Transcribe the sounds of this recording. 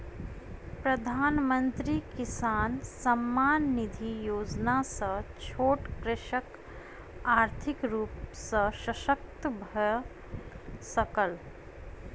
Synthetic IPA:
pɾəd̪ʱaːnmə̃nt̪ɾikɪsaːnsəmːaːnːid̪ʱijoːd͡ʒnasət͡ʃʰoːʈkɾɪʃək | aːɾt̪ʰɪkɾuːpsəʃəʃək̚t̪əbʱə | səkəl

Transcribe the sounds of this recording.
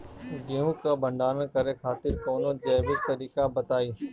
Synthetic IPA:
ɡiũːkɐbʱɐ̃ɳɖaːɾən̆kɐɾekʰaːt̪ɪɾkoːnõd͡ʑɛːʋɪk̚t̪ɐɾiːkabɐt̪aːiː

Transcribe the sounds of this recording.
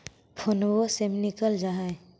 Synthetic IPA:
pʰonwosemnikəld͡ʒaɦae

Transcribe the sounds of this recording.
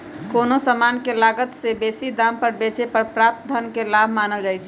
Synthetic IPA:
konosəmankelaɡət̪sebesid̪ampəɾbet͡ʃepəɾpɾap̚t̪̚d̪ʱənkelabʱmanəld͡ʒaɪt͡ʃʰɛ

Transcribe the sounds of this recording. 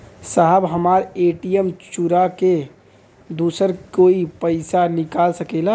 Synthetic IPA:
saɦəbɦəmaɾeʈijəmt͡ʃuɾake | d̪usəɾkoipəɪsanikalsəkɛla

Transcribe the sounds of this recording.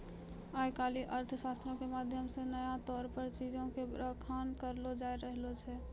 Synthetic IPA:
ajkaliʔəɾt̪ʰsast̪ɾõkemad̪ʱjəmsenəjat̪ɔːɾpəɾt͡ʃid͡ʒõkeɾəkʰankəɾlod͡ʒaeɾəɦlot͡ʃʰɛ

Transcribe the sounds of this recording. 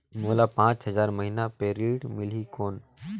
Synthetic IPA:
moːlapãːt͡ʃɦəzaːɾməɦiːnapeːɾiːʈmɪl̤ikoːn

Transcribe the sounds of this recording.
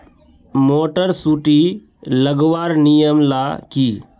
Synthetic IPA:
moːʈəɾsuːʈi | ləɡʋaːɾnijəmlaːkiː

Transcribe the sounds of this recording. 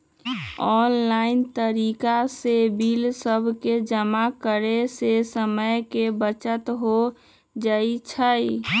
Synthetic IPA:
ɔnlaɪnt̪əɾikasebilsəbʱked͡ʒəmakəɾesesəməjkebət͡ʃət̪ɦo | d͡ʒait͡ʃʰəj

